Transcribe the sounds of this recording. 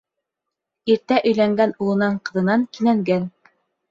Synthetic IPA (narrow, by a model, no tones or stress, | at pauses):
iɾt̪æʔɵ̆jlæŋɡænulˠɤ̆nɑɴqɤ̆ðɤ̆nɑŋkinæŋɡæn